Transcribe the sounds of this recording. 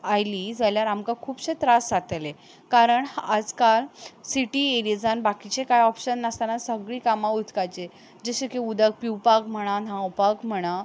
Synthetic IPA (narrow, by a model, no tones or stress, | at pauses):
ajlid͡zaljaɾamkakʰuːbɕet̪ɾasat̪le | kaɾəɳhad͡zkalsiʈieɾid͡zanbakit͡ɕẽkajɔpɕənːəst̪anasəɡɭiːkamãut̪kajt͡ɕe | d͡ʑəɕekeud̪ək̚piwpakm̤əɽ̃anãwpakm̤əɽ̃a